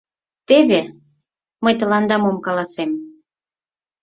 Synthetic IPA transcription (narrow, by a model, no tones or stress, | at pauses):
t̪eβe | məjt̪ə̆lɑnd̪ɑmomkɑlɑsem